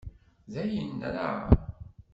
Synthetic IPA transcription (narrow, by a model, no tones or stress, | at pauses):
ðæjənːɾa̰